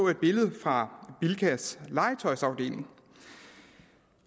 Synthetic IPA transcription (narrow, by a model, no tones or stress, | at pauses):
e̝d̥̚b̥e̝ləð̩ˠfʁɑ̈b̥ilkʰæslɑ̈ɪt͡sʰɒ̽ɪsɑ̈ʊd̥e̝̰ːle̝ŋ